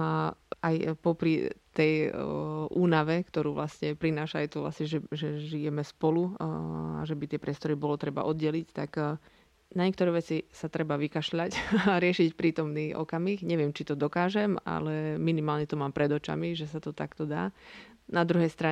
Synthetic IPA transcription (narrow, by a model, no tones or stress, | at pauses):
ajpɔpɾḭt̪ɛj | ʔuːnaʋɛkt̪ɔɾuːʋlasɲɛpɾinaːʃaːjt̪ɔʋla̰sɲɛʒɛʒɛʒijɛmɛspɔlu | a̰ʒɛbit̪ɪɛpɾɪɛst̪ɔɾibɔlɔt̪ɾɛba̰ʔɔd̪ɟɛlict̪ak | naɲɛk̚t̪ɔɾɛːʋɛt͡sisat̪ɾɛbaʋikaʃʎacɾɪɛʃicpɾiːt̪ɔmniːʔɔ̰kamiːxɲɛʋɪɛmt͡ʃit̪ɔd̪ɔkaːʒɛma̰lɛminimaːlɲɛt̪ɔmaːmpɾɛd̪ɔt͡ʃa̰miʒɛsat̪ɔt̪a̰kt̪ɔd̪aː | nad̪ɾuɦɛjst̪ɾa